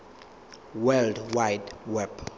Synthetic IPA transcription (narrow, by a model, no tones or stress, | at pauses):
wɛldwajdwɛb